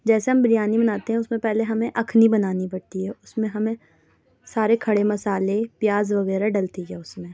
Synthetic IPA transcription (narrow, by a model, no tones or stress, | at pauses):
d͡ʒɛːseɦɐmbɾijaːnibɐnaːt̪eɦɛ̃ʊsmẽpɛɦleɦɐmẽʔɐkʰnibɐnaːnibɐɽt̪iɦɛːʊsmẽɦɐmẽ | saːɾekʰɐɽemɐsaːlepjaːzʋɐɣɛːɾaɖɐlt̪iɦɛːʊsmẽ